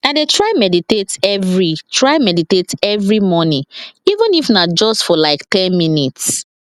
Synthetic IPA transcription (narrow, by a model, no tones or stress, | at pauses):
nadetʰɹaɪmɛditetɛvɹitʰɹaɪmɛditetɛvɹimɔnĩivə̃nifnad͡ʒɔstfɔlaɪktɛ̃nminits